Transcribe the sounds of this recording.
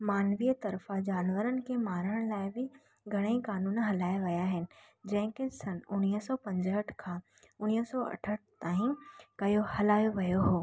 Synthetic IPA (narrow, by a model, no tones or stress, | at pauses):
maːnʋijt̪ɐɾfad͡ʒaːnʋəɾənɪ̆kemaːɾəɽ̃laːɪbʱɪ | ɡʱɐɽ̃eikaːnuːnɦɐlaːjʋɐjaɦɪnɪ̆ | d͡ʒɐ̃ɦɪ̃kesɐnʊniɦsɔːpɐ̃ɲd͡ʒɦəʈʰkʰã | ʊniːsɔɐ̰ʈʰəʈ̚t̪aːɦĩkɐjohɐlaːjoʋɐjoɦoː